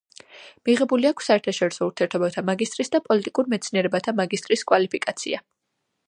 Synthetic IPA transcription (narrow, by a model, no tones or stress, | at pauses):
miʁɛbuliakʰsːaɛɾt̪ʰaʃɔɾisɔuɾt̪ʰiɛɾt̪ʰɔbat̪ʰamaɡist̪ʼɾisd̪apʼɔlit̪ʼikʼuɾmɛt̪sʰniɛɾɛbat̪ʰamaɡist̪ʼɾiskʼwalipʰikʼat̪sʰḭa